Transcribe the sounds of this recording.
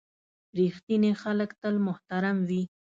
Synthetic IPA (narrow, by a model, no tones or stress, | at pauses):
ɾixt̪inexaləkt̪əlmʊht̪aɾamwi